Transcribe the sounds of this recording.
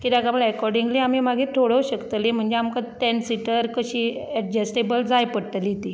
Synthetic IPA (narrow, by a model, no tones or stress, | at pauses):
kid̪aɡabəɭɛkɔɾɖiŋɡliːamiːmaɡʱiːt̪ʰoɽuɕəkt̪lem̤əɳd͡ʑeamkət̪ɛnsiʈəɾkəɕiːɛʈ̚d͡ʑəsʈebəld͡zajpəɽt̪əlit̪i